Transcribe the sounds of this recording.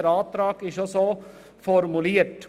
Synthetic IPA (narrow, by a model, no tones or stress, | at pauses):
əɾɑːt̪ɾɑːɡɪʃoso | fɔɾmʊliːəɾʈ